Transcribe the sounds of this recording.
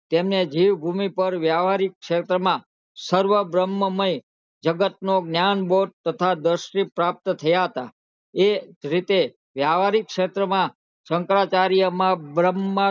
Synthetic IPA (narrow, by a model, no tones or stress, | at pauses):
t̪emned͡ʒiʋbʱumipəɾʋjaʋaɾikːʃet̪ɾəmã | səɾʋəbɾəmːəməj | d͡ʒəɡət̪̚noɡnjanboʈ̚t̪ət̪ʰad̪əɾʃɾipɾap̚t̪t̪ʰəjaɦət̪a̰ | eɾit̪e | ʋjaʋaɾikʃet̪ɾəmã | səŋkɾat͡ʃaɾijəmãbɾəmːa